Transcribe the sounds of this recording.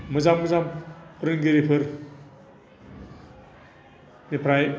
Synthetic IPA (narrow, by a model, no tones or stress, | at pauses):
mɐzamːɐzampʰɯɾɯŋɡiɾipʰɯɾ | nipʰɾaj